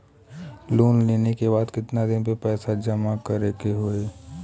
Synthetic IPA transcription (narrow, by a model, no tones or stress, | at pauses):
loːnleːnekebaːd̪kɪt̪nad̪ɪnpepɛːsad͡ʒɐmakɐɾeːkeɦoeː